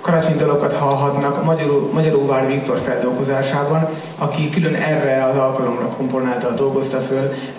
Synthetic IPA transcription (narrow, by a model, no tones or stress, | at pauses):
kɒɾat͡ʃeɲd̪o̞lo̞kɒt̪hɒlɦɒt̪nɒkmɒɟɒɾoːvaːrvikt̪o̞rfɛld̪o̞lɡo̞zaːʃaːbɒn | ɒkikylønɛrːɛɒzɒlkɒlo̞mrɒkʰo̞mpo̞naːlt̪ɒd̪o̞lɡo̞st̪ɒføl